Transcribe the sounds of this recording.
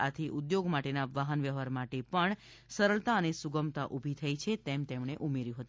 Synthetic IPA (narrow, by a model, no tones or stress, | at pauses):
at̪ʰiʔud̪joɡmaʈenaʋaɦənʋjəɦaɾmaʈepəɳ | səɾəɭt̪aənesuɡəmt̪aʔubʱit̪ʰəit͡ʃʰet̪emt̪emɳ̃eʔumeɾjũɦət̪ũ